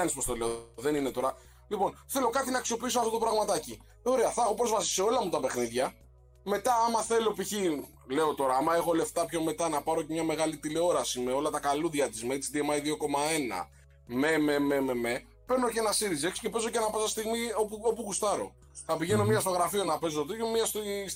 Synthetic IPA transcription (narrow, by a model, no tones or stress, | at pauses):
ɐnispost̪ole̞oðe̞nine̞t̪o̞ɾɐ | lipo̞nθe̞lo̞kɐt̪inɐːksio̞piis̬oɐft̪o̞t̪opɾɐɣmɐt̪ɐci | o̞ɾe̞ɐθɐxo̞pɾo̞zvɐsi̥seo̞lɐmut̪ɐpe̞xniðʝɐ | me̞t̪ɐɐmɐθe̞lo̞piçi | le̞o̞t̪o̞ɾɐɐmɐe̞xo̞le̞ft̪ɐpço̞me̞t̪ɐnɐpɐɾo̞ce̞mɲɐme̞ɣɐlit̪ile̞o̞ɾɐsimeo̞lɐt̪ɐkaluðʝɐt̪izmeit͡sid̪ie̞mɐjðio̞ko̞mɐe̞nɐ̰ | me̞meme̞meme̞ | pe̞ɾnocenɐsiɾize̞ksce̞pe̞zo̞cenɐpɐsɐst̪iɣmiopuo̞puɣust̪ɐɾo̞̰ | θɐpiʝe̞no̞miɐst̪o̞ɣɾɐfio̞nɐpe̞zot̪ot̪ejomiɐst̪i